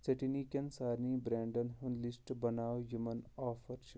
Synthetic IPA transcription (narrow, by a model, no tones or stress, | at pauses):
t͡sɐʈinikʲɐnsaːɾniːbɾeːɳɖɐnɦunlisʈbɐnaːwjumɐnaːfɐɾʃi